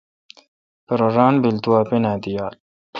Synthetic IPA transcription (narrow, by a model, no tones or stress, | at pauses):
pəɾoɾaːnbilt̪uwaːpenaːd̪ijaːl